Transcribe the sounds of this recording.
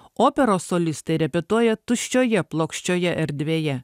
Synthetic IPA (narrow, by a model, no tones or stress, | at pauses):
oːpʲɛɾoːsɔlʲɪst̪ɐɪɾʲɛpʲɛt̪uɔjɛt̪ʊʃʲt͡ʃʲoːjɛplˠoːkʃʲt͡ʃʲoːjɛʔɛɾʲd̪ʲʋʲeːjɛ